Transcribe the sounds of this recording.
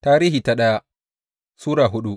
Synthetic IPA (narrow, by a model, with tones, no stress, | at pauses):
taː˦ɾiː˦hiː˨ta˦ɗɐ˦ja˦ | suː˦ɽaː˨ɦʊ˦ɗu˦